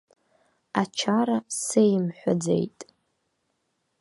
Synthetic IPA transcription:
at͡ʃʰaɾasejmħʷad͡zḛjtʼ

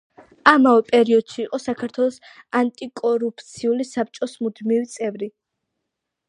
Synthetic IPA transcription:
amavɛpʼɛɾiɔd̪̥ʃiːqʼɔsakʰaɾt̪ʰwɛlˠɔs | ant̪ʼikʼɔɾupʰt̪sʰiulisap̚t͡ʃʼɔsmud̪mivit̪sʼɛvɾi

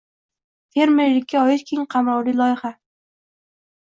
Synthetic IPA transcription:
fʰe̞ɾmeɾlɪkʲʰːaɒjɪt̪kʲʰeŋqʰɑmɾɒwlijlˠɒjɪχa

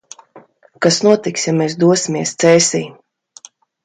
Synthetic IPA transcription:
kasnuɔt̪iksjamɛːsd̪uɔsʲimʲiɛst̪sɛːsʲiː

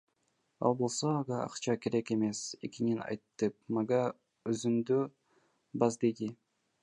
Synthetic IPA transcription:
ɑ̰lˠbo̞lˠsoɑʁɑɑ̰qt͡ʃɑkeɾeke̞me̞se̞̰kininɑ̰jt̪ːɯp̚mɑɡɑ | øzymd̪ø | bɑzd̪ed̪i

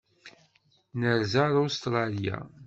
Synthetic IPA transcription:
nəɾzaɾust̪ɾˤɑlja̰

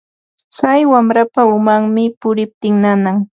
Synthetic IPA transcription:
t͡sajwamɾapaʊmaŋmɪpʊɾɪp̚t̪ɪŋnanaŋ

